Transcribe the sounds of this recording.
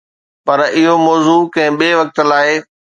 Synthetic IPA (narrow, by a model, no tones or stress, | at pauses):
pɐɾɪɦomɔːzuːkɐ̃ɦɪ̃ɓeːʋɐk̚t̪laːɪ